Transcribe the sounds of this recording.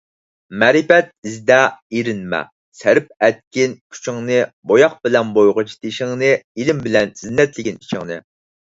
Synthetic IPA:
mɛɾipɛt̪̚izd̪ɛiɾɪnmɛ̰ | sæɾɪp̚ɛt̪̚kʲinkʲʰy̥t͡ʃʰɪŋnɨbojɑq̚bɪlɛnbojʁʊt͡ʃʰi̥t̪ʰiʃɪŋnɨilɪmbɪlɛnz̥inːɛt̪lɪɡʲini̥t͡ʃʰɪŋnɨ̰

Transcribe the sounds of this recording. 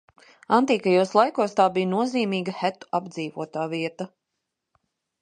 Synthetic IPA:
ant̪iːkajuɔslˠajkuɔst̪aːbijnuɔziːmiːɡɐhæt̪u̥abd̪ziːvuɔt̪aːviɛt̪ɐ

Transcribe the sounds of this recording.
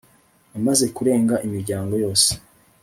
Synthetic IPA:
amaze̞kuɾe̞ːŋɡaʔimiɾɟaːŋɡo̞jo̞ːse̥

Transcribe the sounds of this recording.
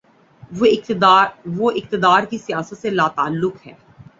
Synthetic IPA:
ɪʋoʔɪq̚t̪ɪd̪aːɾkisijaːsət̪selaːt̪aəlːʊkɦɛ̰ː

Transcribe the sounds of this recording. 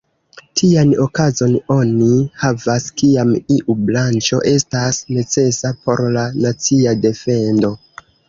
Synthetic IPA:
tʰiano̞kazo̞no̞nihavaskiamiʔublant͡ʃo̞̰ʔe̞stasne̞t͡se̞sapo̞ɾlanat͡siade̞fe̞ndo̞

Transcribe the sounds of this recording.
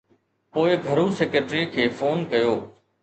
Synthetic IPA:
poːɪɡʱəɾũːseːkəʈɾikʰeːfoːnkɐjoː

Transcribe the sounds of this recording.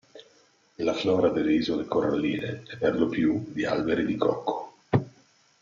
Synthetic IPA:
laflɔːɾad̪elːeizolekora̰lːiːneɛpːerlopjud̪ialbeɾid̪ikɔ̰kʰːo̥

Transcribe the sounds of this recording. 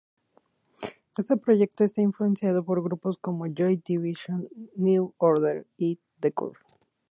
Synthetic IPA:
est̪e̞pɾo̞ʝe̞k̚t̪oe̞st̪aiɱfluẽ̞nsjað̞o̞po̞ɾɣɾuposko̞moʝojd̪iβiʃonːuoɾðeɾi | d̪ekṵɾ

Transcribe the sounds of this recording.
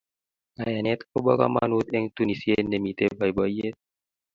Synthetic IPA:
ŋajanet̪kobɔka̰ma̰nut̪ɛŋt̪unisiendemit̪ebajbɔjet̪̚

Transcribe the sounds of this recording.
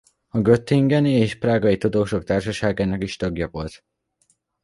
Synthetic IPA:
ɒɡøt̪ːiŋɡɛnieːʃpraːɡɒjit̪ud̪oːʃo̞kt̪aːrʃɒʃaːɡaːnɒkiʃt̪ɒɡjɒvo̞lt̪

